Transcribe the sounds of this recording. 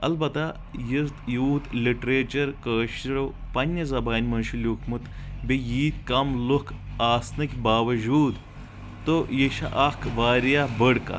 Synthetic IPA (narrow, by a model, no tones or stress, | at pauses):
ɐ̰lbɐt̪a | jizt̪juːt̪liʈɾeːt͡ʃɐɾkəːʃɾopɐnʲːɐzɐbaːnʲmɐnʃulʲjuːkʰmut̪ | bʲejiːt̪kɐmlokʰaːsnɐkʲbaːʋɐd͡ʒuːd̪ | t̪ojeʃɐ̰ʔɐkʰʋaːɾjabəɽka̰